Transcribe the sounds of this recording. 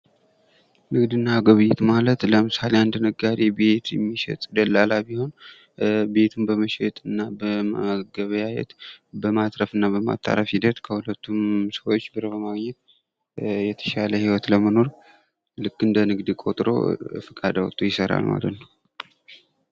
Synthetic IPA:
nɨɡd̪ɨnːaːɡəβɨjɛt̪malət̪ləmɨsaleand̪nəɡaɾebet̪jɛmːiʃɛ̰t̪ʼd̪əlːalabiho̞n | be̞t̪ʰumbəməʃɛt̪ʼɨnːabəmaɡəβəjajɛ̰t̪bəmat̪ɾəfɨnːabəma̰t̪ʼʰːa̰ɾəfhid̪ət̪kʰəhulət̪ʰːumsəwot͡ʃːbɨɾəbəmaɡɲɛt̪̚ | jɛt̪ʰə̥ʃaləhiwɔt̪ləməno̞ɾ | lɨkːɨnd̪ənɨɡd̪ɨkʼo̞t̪ʼɾo̞̰fəkʼad̪awɔ̰t̪ʼojɪsəɾa̰lma̰lət̪nəw

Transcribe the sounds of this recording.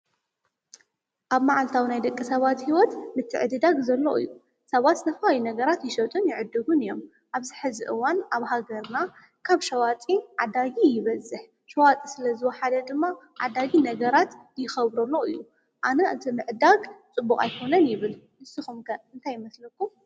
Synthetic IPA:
ʔaβmaʕalt̪ʰawinajd̪ɐkʼːisɐβat̪hiwɔt̪mɨt̪ʰɨ̰ʕɨd̪ɨd̪aɡzɐlːoʔɨ̰jːu | sɐβat̪nɐfajinɐɡɐɾat̪jɪʃɐt̪ʼɨnjɪʕɨd̪ːɨɡunɨjo̞m | ʔaβzɨħɨziʔɨwanaβɦaɡɐɾna | kʰaβʃɐwat͡sʼiʕad̪aɡijɪβɐzɨħ | ʃɐwat͡sʼisɨlɐzɨwɔħad̪ɐd̪ɨmːa | ʕa̰d̪aɡinɐɡɐɾat̪ | jɪxɐβɾɐlːo̞ɨjːu | ʔanɐɨt̪ʰimɨʕd̪aɡt͡sʼɨbːukʼa̰jkʰo̞nɐnjɪβɨlmɨsɨxumkʰɐɨnt̪ʰajːɪmɐslɐkːum

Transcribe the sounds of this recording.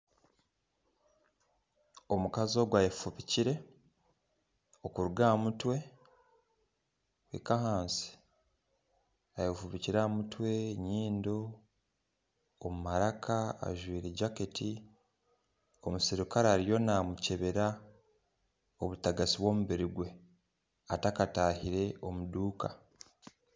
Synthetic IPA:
o̞mukazo̞ːɡwajefuβiciɾe̞ | o̞kuɾuɡaːmutwe̞ | wekahaːnsi̥ | ajefuβiciɾaːmutwe̞ɲiːndo | mumaɾakʰaa̰ʒwiːɾe̞ɟaketi | omusiɾukaɾaːɾijo̞naːmuce̞βe̞ɾa | oβutaɡasiβwo̞ːmuβiɾiɡwe̞ | atakataːhiɾe̞o̞muduːka

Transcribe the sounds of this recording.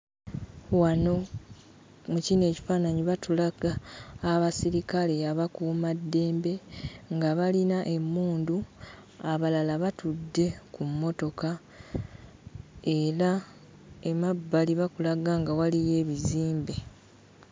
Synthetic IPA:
wano̞ | mucine̞ːci̥faːnaɲiβatulaɡaːβasiɾikale̞aβakumadːe̞ːmbe̞ŋɡaβalinaʔe̞mːuːnduaβalalaβatudːe̞kumːo̞to̞ka | e̞ɾa | emabːaliβakulaɡaŋɡawalije̞ːβiziːmbe̞

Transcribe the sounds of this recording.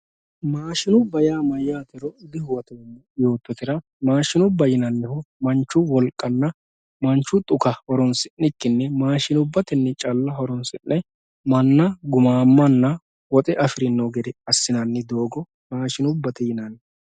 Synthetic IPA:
maːʃɪnʊbɐjaːmɐjːaːt̪ɪɾɔd̪ɪhʊwɐt̪ɔnːɛjo̞ːt̪ːɔt̪ɪɾɐ | maːʃɪnʊbːɐjɪnɐnːɪhʊmɐnt͡ʃːʊwɔlkʼːɐnːɐ | mɐnt͡ʃːʊt̪ʼʊkɐhɔɾɔnsɪnːɪkːɪnːɛmaːʃɪnʊbːɐt̪ɪnːɛt͡ʃʼɐlːɐɦɔɾɔnsɪnʔːɛ | mɐnːɐɡʊmaːmːɐnːɐ | wɔt̪ʼɛʔɐfɪɾɪnːɔɡɛd̪ɛɐsːɪnɐnːɪd̪o̞ːɡɔ | maːʃɪnʊbːɐt̪ɪjɪnɐnː

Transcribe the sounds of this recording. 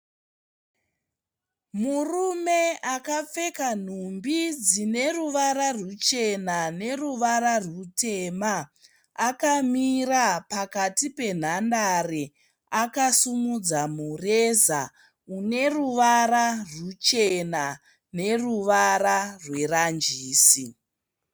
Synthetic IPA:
murume̞akap͡fe̞kan̤umbid͡zine̞ruʋaɾarut͡ʃe̞nane̞ruʋaɾarute̞maː | kamirapakatipe̞n̤andare | akasumud͡zamureza̰ | une̞ruʋararut͡ʃena | ne̞ruʋaɾarwe̞rand͡ʒiːsi

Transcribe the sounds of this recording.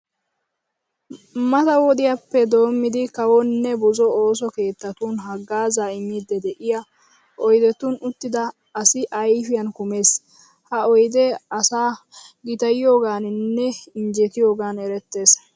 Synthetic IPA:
mɐt̪ɐwɔd̪ɪjapːɛd̪o̞ːmːɪd̪ɪkɐwɔnnːɛbʊzɔo̞ːs̬ɔke̞ːt̪ːɐt̪unɦɐɡːaːzaːɪɲːɪd̪ːɛd̪ɛʔɪjɐ | ʔɔjd̪ɛt̪ʊnʊt̪ːɪd̪ɐː | sɪʔɐjfɪjɐnkʊme̞ːs | hɐɔjd̪ɛɐsaː | ɡɪt̪ɐjɪjo̞ːɡaːnnːɛɪɲd͡ʒɛt̪ɪjo̞ːɡaːnɛɾɛt̪ːe̞ːs

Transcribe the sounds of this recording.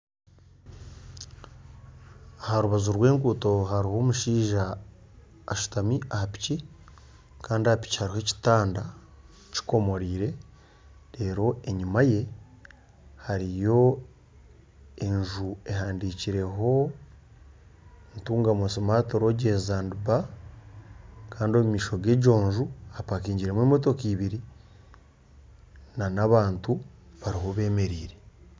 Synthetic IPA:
ahaɾuβazuɾwe̞ːŋɡuːto̞ɦaɾiho̞ːmuʃiːʒaː | ʃu̥tamiahapi̥ci | kaːndiaapi̥ci̥haɾihe̞ci̥taːnda | ci̥ko̞mo̞ɾiːɾe̞ | ɾe̞ːɾo̞eɲumaje̞ | haɾijo̞ | eɲʒue̞ɦaːndiciɾe̞ɦo̞ | ntuːŋɡamosimato̞ɾoɟezaːnduba | kaːndo̞mumiːʃo̞ɡe̞ɟo̞ːɲʒuapakiːɲɟiɾemwemoto̞kiːβiɾi | nanaβaːntu | βaɾiɦo̞βe̞ːme̞ɾiːɾe

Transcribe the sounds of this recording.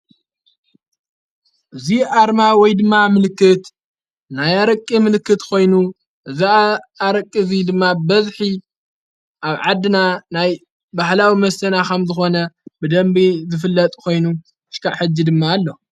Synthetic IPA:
ʔɨziaɾmawɔjd̪ɨmːamɨlɨkːɨt̪ | najaɾɐkʼːimɨlɨkːɨt̪kʰo̞jnu | ʔɨziːɾɐkʼːizid̪ɨmːabɐzħi | ʔaβʕad̪ːɨnanaj | bahlawimɐsɐnakʰɐmzɨxo̞nɐbɨd̪ɐmbizɨfɨlːɐt̪ʼkʰo̞jnu | ɨʃkaʕħɨd͡ʒːid̪ɨmːaːlːo

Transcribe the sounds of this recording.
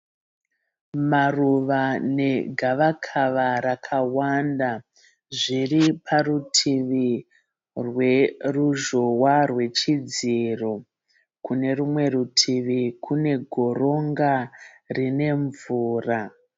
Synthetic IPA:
maruʋane̞ɡʱaʋakʰaʋaɾakʰawanda | ʐiripʰarutʰiʋi | rweruʒowarwe̞t͡ʃid͡ziro̞ | kune̞rumwe̞rutʰiʋikʰune̞ɡʱo̞ro̞ŋɡa | rine̞ɱvuːra

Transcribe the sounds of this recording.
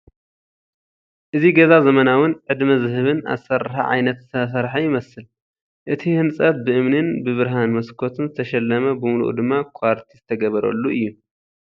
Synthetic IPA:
ʔɨziɡɐzazɐmɐnawɨnʕɨd̪mɐzɨɦɨβɨna̰sɐɾɨħa̰ʕa̰jnɐt̪sɐsɐɾħajɪmɐsɨl | ʔɨt̪ʰihɨnsʼɐt̪̚bɨʔɨmnɨnbɨβɨɾɦanmɐskʰo̞t̪ʰɨnzɨt̪ʰɐʃɛlːɐmɐbɨmulṵʔd̪ɨmːakʰaɾt̪ʰizɨt̪ʰɐɡɐβɐɾɐ̰lːuʔɨjːu

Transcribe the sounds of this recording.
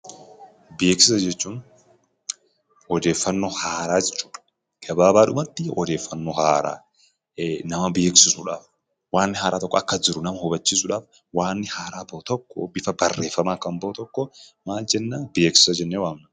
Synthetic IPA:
beːksɪsɐd͡ʒɛt͡ʃːuːn | ɔd̪e̞ːfːɐnːohaːɾaːd͡ʒɛt͡ʃːu̥ːᶑɐ̥ | ɡ̥ɐbaːbaːᶑʊmɐt̪ːɪɔ̰d̪e̞ːfːɐnːohaːɾa̰ː | nɐmɐbeːksɪsʊᶑaːf | waːnːɪhaːɾaːt̪ɔkːɔɐkːɐd͡ʒɪɾʊnɐmɐhɔbɐt͡ʃːiːsʊᶑaːf | waːnːɪhaːɾaːbɐt̪ɔkːɔ̰bɪfɐbɐrːe̞ːfːɐmaːkɐmboːt̪ɔkːɔmaːld͡ʒɛnːaːbeːksɪ̥sɐd͡ʒɛnːewaːmnɐ

